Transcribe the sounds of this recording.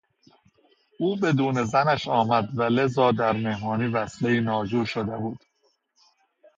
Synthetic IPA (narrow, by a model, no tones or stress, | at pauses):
ʔuːbe̞d̪uːne̞zænæʃɒːmæd̪væle̞zɒːd̪æɾme̞hmɒːniːvæsleiːnɒːd͡ʒuːʃod̪ebuːd̪̥